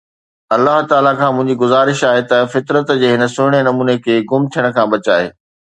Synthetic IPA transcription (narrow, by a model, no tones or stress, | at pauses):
ɐlːaɦt̪aːlakʰãːmʊ̃ɦɪ̃ɲd͡ʑiɡʊzaːɾɪʃaːɦet̪ɐfɪt̪ɾət̪d͡ʑeːɦɪnə̆sʊɽ̃enɐmuːnekʰeːɡʊmt̪ʰijəɽ̃ə̆kʰãːbɐt͡ɕaːɦḛː